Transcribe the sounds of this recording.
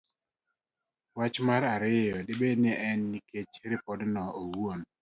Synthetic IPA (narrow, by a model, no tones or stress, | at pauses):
wat͡ʃmaɾaɾɪjɔdɪbenɪɛnːiket͡ʃɾɪpɔdnɔowon